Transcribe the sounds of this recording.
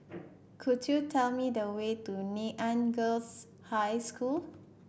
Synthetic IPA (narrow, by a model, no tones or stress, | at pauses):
kʰudjutʰɛlmidəwet̪unĩʔãnɡəls | hajskʰul